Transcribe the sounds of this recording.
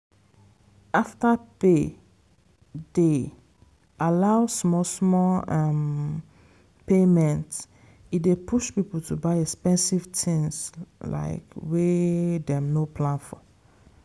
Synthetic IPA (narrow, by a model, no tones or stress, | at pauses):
aftape | de | ʔalaʊsmɔsmɔlam | pemɛ̃nt | idepʰuʃpipultʰubaɪɛkspɛ̃nsiv̥tʰĩŋsla̰ɪkwedɛ̃mnopʰlãnfɔ̰